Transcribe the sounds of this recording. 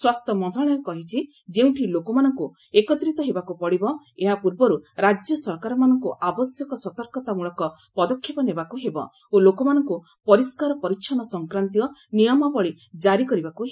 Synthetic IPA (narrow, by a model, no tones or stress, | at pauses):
swast̪ʰɔmɔnt̪ɾaɽ̃ɔjɔkɔɦit͡ʃʰi | d͡ʒeũʈʰilokɔmanɔŋku | ekɔt̪ɾit̪ɔɦebakupɔɽibɔ | eɦapuɾbɔɾuɾad͡ʒjɔsɔɾkaɾɔmanɔŋkuʔabɔsjɔkɔswɔt̪ɔɾkɔt̪amuɭɔkɔ | pɔd̪ɔkʰːjepɔnebakuɦebɔ̰ | olokɔmanɔŋku | pɔɾiskaɾɔpɔɾiʃʰɔnɔsɔŋkɾant̪iɔnijɔmabɔɭi | d͡ʒaɾikɔɾibakuɦe